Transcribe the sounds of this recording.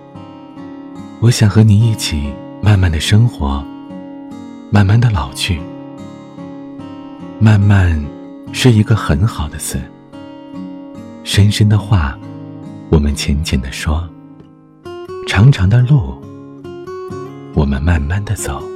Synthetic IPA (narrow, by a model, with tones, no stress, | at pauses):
wɔ˧˥ɕjɑ˨˩ŋxɤ˧˥ni˨˩i˥˩t͡ɕʰi˨˩ | ma˥˧nma˥˩nd̪ə˩ʂɤ˥ŋxwɔ˧˥ | ma˥˧nma˥˩nd̪ə˩lɑ˨˩ʊt͡ɕʰy˥˩ | ma˥˧nma˥˩˧n | ʂɻ̩˥˩i˧˥ɡə˧xə˧˥nxɑ˨˩ʊd̪ə˦t͡sʰɹ̩˥˩ | ʂə˥nʂə˥nd̪ə˨xwa˥˩ | wɔ˨˩mə˦nt͡ɕʰjɛ˧˥nt͡ɕʰjɛ˧˥nd̪ə˨ʂwɔ˥ | ʈ͡ʂʰɑ˧˥ŋʈ͡ʂʰɑ˧˥ŋd̪ə˧lo˥˩ʊ | wɔ˨˩mə̰˦nma˥˧nma˥˩nd̪ə˩˨t͡so˨˩˦ʊ